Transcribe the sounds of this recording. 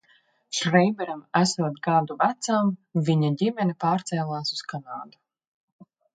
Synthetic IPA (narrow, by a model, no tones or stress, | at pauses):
ʃɾɛjbɛɾamæsuɔt̪ɡaːɾd̪uvæt̪samviɲaɟimɛnipaːɾt̪sɛːlˠaːsu̥skanaːd̪u̥